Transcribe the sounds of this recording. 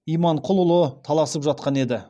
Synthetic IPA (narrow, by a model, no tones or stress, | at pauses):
ijmɑɴqʰʊlˠʊlˠət̪ʰɑlˠɑsəpʒɑt̪̚qɑne̞d̪ɪ